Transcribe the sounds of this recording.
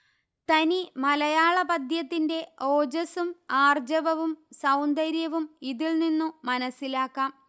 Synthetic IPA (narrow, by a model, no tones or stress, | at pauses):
t̪ɐnimɐlɐjaːɭɐbɐd̪ʱjɐt̪ːinde̞o̞ːd͡ʑɐsumaːrd͡ʑɐʋɐʋumsɐwnd̪ɐɾjɐʋumiðiɭninːumɐnɐsːilaːkːaːm